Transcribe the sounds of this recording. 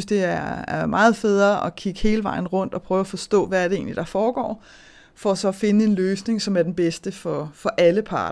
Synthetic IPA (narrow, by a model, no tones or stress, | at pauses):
sd̥e̝æɐæɐmɑ̈ːð̞̩ˠfeðˠɐɒ̽kʰiɡ̥əhe̝ːləʋɑ̈ɪn̩ʁɔ̽n̰d̥ɒ̽pʰʁœːʊæfɒ̽sd̥ɔ̰̽ːʋææɐɾee̝̰ːnlid̥ɑ̈fɒːɡ̥ɒ̰ː | fɒ̽sɒ̽fe̝nəe̝nløːsne̝ŋsɒ̽mæɐd̥enb̥esd̥əfɒ̽fɒ̽ʔæləpʰɑ̈ːd̥ɐ